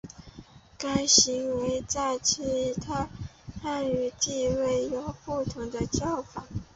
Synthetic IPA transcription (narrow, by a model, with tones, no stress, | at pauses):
ka˥ɪɕi˧˥ŋwe˧˥ɪt͡sa˥˩ɪt͡ɕʰi˥˧˥t̪ʰa˥˧ | xa˥˩ny˧˥t̪i˥˧we˥˩ɪjo˨˩ʊpu˥˩t̪ʰʊ˧˥ŋd̪ə˧t͡ɕjɑ˥˩ʊfa˨˩˦